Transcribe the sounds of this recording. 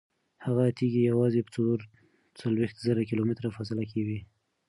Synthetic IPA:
haɣat̪iɡijawɑzepə̥t͡soɾ | t͡salwext̪zəɾakɪlomɪt̪ɾafas̬ɪlakewi

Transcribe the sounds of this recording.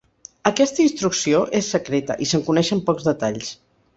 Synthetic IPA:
əkɛst̪əinst̪ɾuksioʔesːəkɾet̪ə̰ʔisəŋkunɛʃəmpɔɡzðət̪aʎs

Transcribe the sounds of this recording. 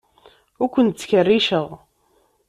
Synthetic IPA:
ʊɾkʷənt̪t͡sːçərːiʃəʁ

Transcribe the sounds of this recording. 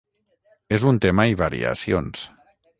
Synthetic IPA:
ezunt̪emaiβaɾḭa̰sions

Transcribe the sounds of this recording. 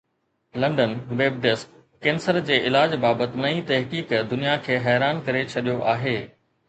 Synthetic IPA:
lɐ̃ɳɖənʋeːb̚ɖɪskː | ẽːnsəɾd͡ʑeːʔɪlaːd͡ʑbaːbət̪ɪ̆nɐĩt̪ɐɦkiːkd̪ʊnijakʰeːɦɛːɾaːnkɐɾet͡ɕʰɐɗijoʔaːɦeː

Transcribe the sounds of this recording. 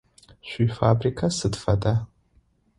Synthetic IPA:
ʃʷifabrikʰasɨdfadʼa

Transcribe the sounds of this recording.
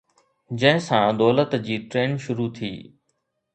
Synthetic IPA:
d͡ʑɐ̃ɦɪ̃sãd̪ɔːlət̪d͡ʑiːʈɾeːnʃʊɾut̪ʰiː

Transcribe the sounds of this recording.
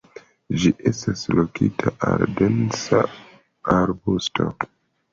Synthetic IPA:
d͡ʒiʔe̞staslokitʰaʔaldensa | aɾbustʰo̞̰

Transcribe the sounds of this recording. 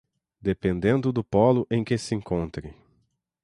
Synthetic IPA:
d̪epẽnd̪ẽnd̪ʊd̪ʊpɔlʊʔẽj̃kesɪẽŋkõnt̪ɾɪ

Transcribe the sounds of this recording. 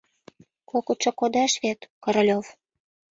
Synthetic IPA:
kokɤ̆t̪ʃɤ̆kod̪ɑʃβet̪kɤ̆ɾlʲov

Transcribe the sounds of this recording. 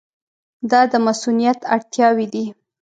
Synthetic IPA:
d̪ɑd̪əmasunijat̪aɽt̪jɑwid̪i

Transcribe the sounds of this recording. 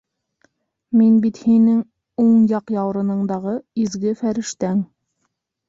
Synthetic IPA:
minbit̪hinɘŋ | uɴjɑqjɑwɾɤ̆nɤ̆ɴd̪ɑʁɤizɡɘfæɾɘ̆ʃt̪æŋ

